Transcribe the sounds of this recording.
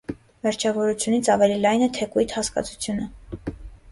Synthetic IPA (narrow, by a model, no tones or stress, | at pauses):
vɛɾt͡ʃʰɑvɔɾut͡sʰjunit͡sʰɑvɛlilɑjnɛt̪ʰɛkujt̪hɑskɑ̰t͡sʰu̥t͡sʰjunə